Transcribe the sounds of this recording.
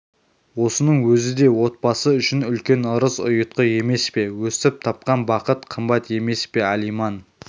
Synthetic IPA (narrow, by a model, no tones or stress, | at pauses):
wo̞sənəɴwɵzɪd̪e̞wo̞t̪̚bɑsəʏʃɪnʏlkʲe̞nəɾəzʊ̰jət̪̚qəje̞me̞spe̞wɵsɪp̚t̪ʰɑp̚qɑnbɑqət̪qʰəmbɑt̪e̞me̞spe̞ælijmɑn